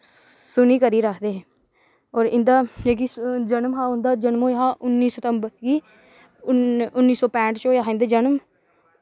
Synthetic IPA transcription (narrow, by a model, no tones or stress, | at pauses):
sʊniːkəɾiːɾəkʰd̪eːɦɛ̃ː | ɔːɾɪnd̪aːd͡ʒeːk̬id͡ʒənmɦãːʊnd̪aːd͡ʒənmõːjɦãːʔʊnːiːsət̪əmbəɾɡiː | ʊʊnːiːsɔːpɛ̃ːɳʈt͡ʃoːjaːɦnd̪eːd͡ʒənəm